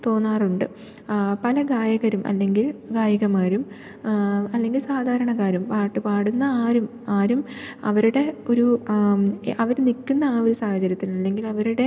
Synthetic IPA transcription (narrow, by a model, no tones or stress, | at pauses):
t̪o̞ːnːaːruɳɖɨ | pɐlɐɡaːjɐɣɐɾumʔɐ̰lːe̞ŋɡilɡaːjɐɣɐmaːɾum | ɐlːe̞ŋɡilsaːd̪ʱaːɾɐɳɐkːaːɾumpaːʈːɨpaːɽunːɐaːɾum | aːɾumɐ̰ʋɐɾuɽe̞o̞ɾu | ʔɐʋɐɾnikːunːɐːo̞ɾusaːhɐt͡ɕɐɾjɐt̪ːinɐlːe̞ŋɡilɐʋɐɾuɽe̞